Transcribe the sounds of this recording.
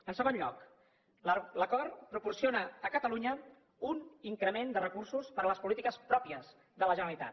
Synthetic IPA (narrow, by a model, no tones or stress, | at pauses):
ənsəɣ̞onʎɔ̰k | ləkɔɾpɾupursionəːkət̪əluɲə | uniŋkɾəmend̪ərəkursuspəɾələspulit̪ikəspɾɔpiəz | ðələʒənəɾəlit̪a̰t̪